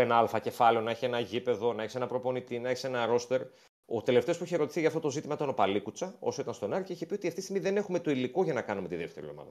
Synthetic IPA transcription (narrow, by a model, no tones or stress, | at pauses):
enɐɐlfɐce̞fɐle̞o̞nɐeçie̞nɐʝipe̞ðonɐeçise̞nɐpɾopo̞nit̪inɐeçise̞nɐɾo̞st̪e̞ɾ | ot̪e̞left̪eospuiçeɾo̞t̪i̥θiʝɐft̪ot̪o̞zit̪imɐt̪ono̞pɐlikut͡sɐo̞̰so̞it̪ɐnst̪onɐɾceiçepiot̪iɐft̪ist̪iɣmiðe̞ne̞xume̞t̪oilikoʝɐnɐkɐnume̞t̪iðe̞ft̪e̞ɾio̞̰mɐ̰ðɐ